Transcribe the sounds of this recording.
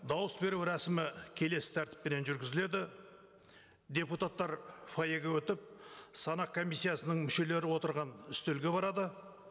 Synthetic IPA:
d̪ɑwəsbe̞ɾuwɾæsɪmɪkʲʰe̞le̞sɪ̥t̪ʰæɾt̪ɪ̥pːe̞ne̞nʒʏɾɡʲɪzɪle̞d̪ɪ | d̪ʲe̞put̪at̪ːɑɾfajeɡʲewɵt̪ɪp̚sɑnɑq̚kʰo̞mʲijsʲːijasənəɴmʏʃe̞le̞ɾɪwo̞t̪əɾʁɑnʏst̪elɡʲe̞bɑɾɑd̪ə

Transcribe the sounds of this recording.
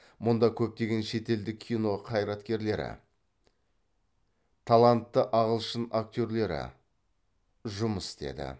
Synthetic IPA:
mʊnd̪ɑkʲʰɵp̚t̪e̞ɡʲe̞nʃe̞t̪e̞ld̪ɪkʲʰijno̞qʰɑjɾɑt̪kʲe̞ɾle̞ɾɪ̰ | t̪ʰalˠant̪ːəʔɑʁəlˠʃənak̚t̪ʲoɾle̞ɾɪ̰ | ʒʊməst̪e̞̰d̪ɪ̰

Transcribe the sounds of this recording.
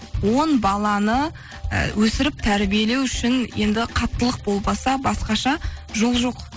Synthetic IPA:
wo̞nbɑlˠɑnə̰ | wɵsɪɾɪp̚t̪ʰæɾbije̞le̞wʏʃɪnje̞nd̪ɪqʰɑt̪ːəlˠəq̚bo̞lˠmɑsɑbɑsqɑʃɑʒo̞lˠʒo̞q

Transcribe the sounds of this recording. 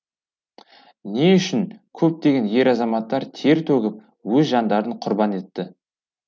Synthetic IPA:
neʏʃɪnkʲʰɵp̚t̪e̞ɡʲe̞nje̞ɾɑzɑmɑt̪ːɑɾt̪ʰe̞ɾt̪ʰɵɡʲɪp̚ | wɵzʒɑnd̪ɑɾəɴqʰʊɾbɑne̞t̪ːɪ

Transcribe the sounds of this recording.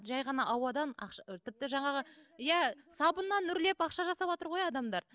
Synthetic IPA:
ʒɑjʁɑnɑʔɑwɑd̪ɑnɑ̰qʃɑt̪ʰɪp̚t̪ɪʒɑɴɑʁəjæsɑbənːɑnːʏɾle̞pɑqʃɑʒɑsɑpot̪əɾʁo̞jɑd̪ɑmd̪ɑɾ

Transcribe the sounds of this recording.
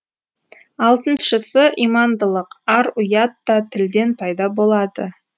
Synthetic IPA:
ɑlˠt̪ənʃəsəʔijmɑnd̪əlˠəqɑɾʊjɑt̪ːɑt̪ʰɪld̪e̞npʰɑjd̪ɑbo̞lˠɑd̪ə̰

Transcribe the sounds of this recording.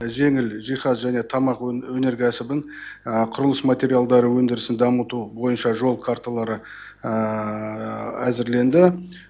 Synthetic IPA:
ʒe̞ŋɪlʒijχɑsʒæne̞t̪ʰɑmɑqwɵne̞ɾkʲʰæsɪbɪɴ | əqʰʊɾʊlˠəsmat̪ʲe̞ɾijalˠd̪ɑɾəwɵnd̪ɪɾɪsɪnd̪ɑmət̪ubo̞jənʃɑʒo̞lˠkʰart̪alˠɑɾə | æzɪɾle̞nd̪ɪ

